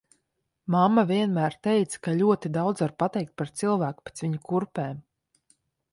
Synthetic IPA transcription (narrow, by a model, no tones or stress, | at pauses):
mamːavʲiɛnmæːɾt̪ɛjt̪sḁkaʎʲuɔt̪id̪awd̪zvaɾpat̪ɛjk̚t̪̚paɾt̪silˠvæːku̥pe̥t̪sviɲukuɾpɛːm